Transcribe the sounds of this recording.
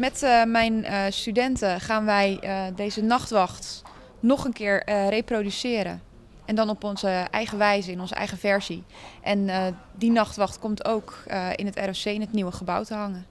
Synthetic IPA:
mɛtmɛjnstydɛntəχaːnʋɛjdejzənɑχtʋɑχt | nɔχənkɪːəɹrejprodysɪːəɾə̰ | ʔɛndɔnɔpɔnzəʔɛjχəʋɛjzəɪnɔnzəʔɛ̰jχəfɛɹzi | ʔɛn | dinɑχtʋɑχtkɔmtʰowkɪ̰nətɛ̰rɛsejɪnɦətniwəχəba̰wtəɦɑŋə

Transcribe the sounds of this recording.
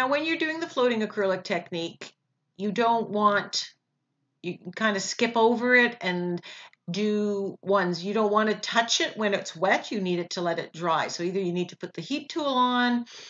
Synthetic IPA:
naʊwɨ̃njə˞dʉɪ̃ŋðɨfloʊɾɪ̃ŋɨkʰɹ̥ɜ˞lˠɨk̚tʰɛk̚nik | jɨdõʊ̃nʔwɑ̃nt | jɨkʰãɪ̃ndɨskɪpoʊvə˞ɪɾɨ̃n | dɨwʌ̃nzjɨɾõʊ̃nʔ̚wɑ̃nɨtʰʌt͡ʃɪt̚wɨ̃nɨtswɛt͡ʃɨniɾɨtʰəlɛɾɨt̚dɹaɪsoʊiðə˞jɨnid̚tʰə̥pʰʊt̪̚ðɨhip̚tʰulˠə̃n

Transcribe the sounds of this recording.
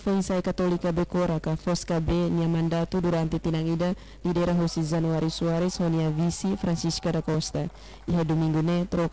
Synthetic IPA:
faisajkat̪ɔlikːabɛkɔɾakafɔskabɛniamandat̪uduɾant̪it̪inaŋida | didaɛɾaɦɔsid͡ʒanuaɾisuaɾɛshɔniavisifɾant͡ʃiskadakɔst̪a | iɦadumiŋɡunet̪ɾɔ

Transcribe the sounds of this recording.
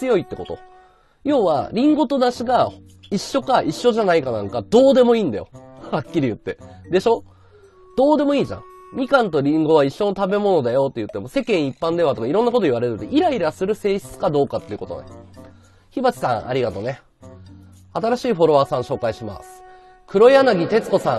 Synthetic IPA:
t͡sɨjo̞it̪ːe̞ko̞t̪o̞̰ | jo̞ːβa̰ɾʲĩŋɡo̞t̪o̞d̪aɕiɡa | iɕːo̞kaʔiɕːo̞ʑanaikanãŋkad̪̥o̞ːd̪e̞mo̞iːnd̪ajo̞̰hakʲːiɾʲijɯ̟t̪ːe̞d̪e̞ɕo̞ | d̪̥o̞ːd̪e̞mo̞iːʑã̰mʲikãnt̪o̞ɾʲĩŋɡo̞βaiɕːo̞not̪abe̞mo̞no̞d̪ajo̞t̪ːe̞jɯ̟t̪ːe̞mo̞se̞kẽ̞ɰ̃ipːãnd̪e̞βat̪o̞kaiɾõ̞nːakot̪o̞iβaɾeɾɯ̟t̪eʔiɾaiɾasɨɾɯ̟se̞ːçi̥t͡sɨ̥kad̪o̞ːkat̪ːe̞iɯ̟ko̞t̪o̰na̰ | çibat͡ɕi̥sã̰ŋʔa̰ɾʲiɡat̪o̞ne̞ | at̪aɾaɕiːɸo̞ɾo̞βaːsãɕo̞ːkaiɕima̰sɨ̥ | kʰɯ̟ɾo̞janaɡʲit̪e̞t͡sɨ̥ko̞sã̰ŋ̃

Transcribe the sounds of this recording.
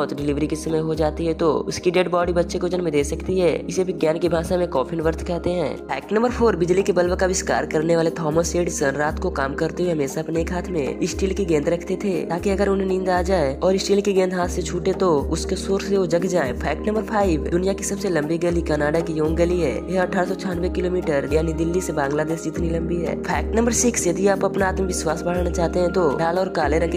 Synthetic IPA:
t̪ɖɪlɪʋɾikisɐməjɦod͡ʒaːt̪iɦɛt̪oʊskiɖeɖbɔːɖibɐtːʃekod͡ʒɐnmẽd̪eːsɐkt̪iɦɛːɪsebʱɪɡjaːnkibʱaːʃamẽkɔːpʰɪnʋəɾt̪ʰkɛɦt̪eɦɛ̰̃ːpʰɛ̰ːk̚ʈnə̃mbəɾpʰoːɾbɪd͡ʒlikebɐlbkaʋɪska̰ːɾkɐɾneʋaːlet̪ʰɔːməseːɖsənɾaːt̪kokaːmkɐɾt̪eɦeɦɐmeːsaɐpneːkʰɦaːt̪ʰmḛ̃ɪsʈiːlkiɡɛ̃ːnd̪ɾɐkʰt̪et̪ʰet̪aːkiɐɡəɾʊnɦẽnɪ̃ːnd̪aːd͡ʒaːeɔːɾɪsʈiːlkiɡɛ̃ːnd̪ʱɦaːt̪ʰset͡ʃʰuːʈẽt̪oʊskesoːɾseod͡ʒɐɡd͡ʒaːḛ̃pʰɛːk̚ʈnɐmbəɾpʰaːɪʋd̪ʊnijakisɐbselɐ̃mbiɡɐlikanaːɖakijoːŋɡɐliɦɛ̰ːjeɐʈʰːaːɾsɔt͡ʃʰaːnʋekɪloːmiːʈəɾjaːnid̪ɪlːisebãːŋɡlad̪eːʃd͡ʒɪt̪nilɐ̃mbiɦɛ̰ːpʰɛːk̚ʈnə̃mbəɾsɪksjɐd̪iaːpɐpnaːt̪məʋɪswaːsbəɽanat͡ʃaːɦt̪eɦɛ̃t̪oɖaːlɔːɾkaːleɾɐ̃ŋk

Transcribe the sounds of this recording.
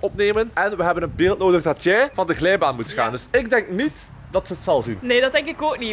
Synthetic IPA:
ɔpneːmənʔɛnʋəɦɛbənənbeːlˠt̚noːdəɣdɑtjɛjvɑndəɣlɛjbaːnmutxa̰ːndɵsɪɡ̚dɛŋk̚nit | dɑtsətsɑlˠzinneːdɑt̚dɛŋkɪkoːkni

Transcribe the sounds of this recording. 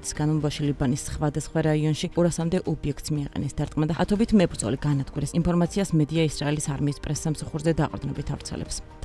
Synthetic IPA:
t̪ʰi̥sɡ̥anɔbaʃilibanisχvad̪asχwaɾaiɔnʃiɔɾasamd̪ɛʔɔbiɛk̚ʰt̪smiaqʼɛ̰nɛsd̪aɾt̪ʼqʼmad̪aa̰t̪ʰɔbit̪ʰmɛbɾd̪zɔ̰liɡanad̪ɡuɾɛsinpʰɔɾmat̪sʰiasmɛd̪iaisɾaɛlisaɾmiːspʼɾɛsːamsaχuɾzɛd̪aqʼɾd̪nɔbit̪ʰa̰vɾt̪sʰɛ̰lɛ̰ps

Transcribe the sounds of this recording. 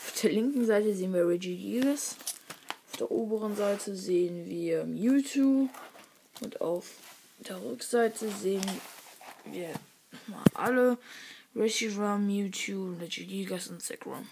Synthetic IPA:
ʔaʊfd̥eːɐlɪŋkŋ̩zaɪtəzeːənviːɐʁɛd͡ʒiɡiɡasʔʔaʊfd̥ḛːɐʔoːbəʁənzaɪtʰəzeːənviːɐmjuːtʰuː | ʔʊnta̰ʊf | d̥eːɐʁʏkz̥aɪtʰəzeːən | vḭːɐ | nɔma̰ːlʔa̰ləʁɛʃiʁamjuːtʰjuːpʁɛd͡ʒiɡiɡasʊntsɛ̰kʁa̰m

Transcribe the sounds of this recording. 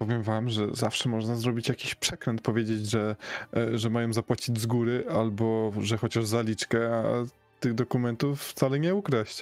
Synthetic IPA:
pɔvʲjɛmvamʐɛ̰zafʂɛmɔʐnazɾɔbʲit͡ɕjakʲiɕpʂɛkɾɛnt̪̚pɔvʲjed͡ʑed͡ʑʐɛ | ʐɛmajɔ̃w̃zapwat͡ɕid͡ʑzɡuɾɘʔalbɔʐɛxɔt͡ɕaʐzalʲit͡ʂkɛa | t̪ɘɣd̪ɔkumɛnt̪ufːt̪salɛɲɛukɾaɕt͡ɕ

